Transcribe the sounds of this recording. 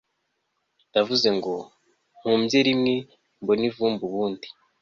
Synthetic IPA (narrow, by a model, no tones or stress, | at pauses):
ndavuze̞ŋɡo̞ | m̥huːmɟeɾimŋe̞ | mbo̞nivuːmbuβuːndi